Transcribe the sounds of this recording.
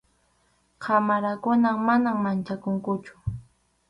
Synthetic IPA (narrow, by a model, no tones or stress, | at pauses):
qʰamaɾakʊnamanammant͡ʃakʊŋkʊt͡ʃʊ̥